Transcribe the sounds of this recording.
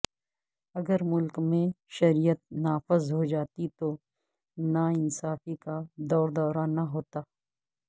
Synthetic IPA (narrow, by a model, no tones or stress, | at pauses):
ɐɡəɾmʊlkmẽʃɐɾijət̪̚naːfɪzɦod͡ʒaːt̪it̪o | naɪnsaːfikad̪ɔːɾd̪ɔːɾanaɦoːt̪aː